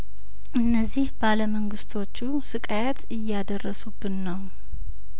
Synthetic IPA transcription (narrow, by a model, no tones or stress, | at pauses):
ʔɨnːəzːihbaləməŋɡɨst̪ʰo̞t͡ʃːu | sɨkʼajɛt̪ʰɨjːad̪ərːəsubːɨnːəw